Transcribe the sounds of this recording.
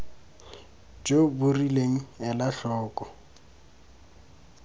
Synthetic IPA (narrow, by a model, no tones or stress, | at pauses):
d͡ʒʼobʊrileŋ̩ɛlaɬɔːkʼɔ